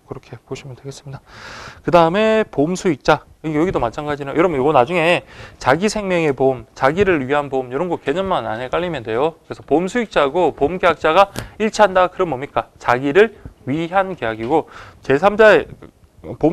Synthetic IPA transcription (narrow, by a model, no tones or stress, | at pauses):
kɯɾʌkʰe̞poɕʰimjʌndwe̞ɡe̞s͈ɯ̥mɲidakɯdaɯme̞pomsʰuik̚t͡ɕ͈a | ɯɡajoɡidomat͡ɕʰaŋɡad͡ʑinaojʌɾʌmjoɡʌnad͡ʑuŋe̞t͡ɕaɡisʰe̞ŋmjʌŋe̞pomt͡ɕaɡiɾɯɭɥiɦanbomjʌɾʌnɡʌke̞ɲʌnmana̰nɦe̞k͈aʎːimjʌnde̞jokɯɾe̞sʰʌpomsʰuik̚t͡ɕ͈aɡopomɡeak̚t͡ɕ͈aɡaiɭt͡ɕʰiɦandakɯɾʌnbomɲik͈at͡ɕaɡiɾɯɭɥiɦankeɦaɡiɡot͡ɕe̞sʰamd͡ʑae | po